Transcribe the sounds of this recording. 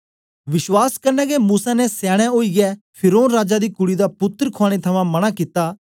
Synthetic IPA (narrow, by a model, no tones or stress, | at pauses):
ʋɪʃwaːskɐɾnɛːɡemuːsanɛsaːɽ̃ɛ̃oːiɡɛ | pʰɪɾoːnɾaːd͡ʒad̪iːkʊɽid̪apʊt̪ːɾkʰaːɽ̃et̪ʰɐmãmɐɽ̃akiːt̪aː